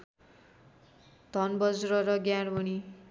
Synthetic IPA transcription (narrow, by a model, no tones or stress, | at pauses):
d̪ʱʌnbʌd͡zrʌɾʌɡjaɾbʌni